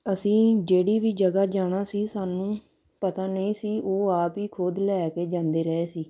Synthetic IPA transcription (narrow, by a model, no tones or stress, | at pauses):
əsĩːd͡ʒeːɽiːʋiːd͡ʒəɡaːd͡ʒaːɽ̃aːsiːsaːnũː | pət̪aːnəĩːsiːʔoːaːpiːkʰoːd̪lɛːkeːd͡ʒãːnd̪eːɾɛeːsiː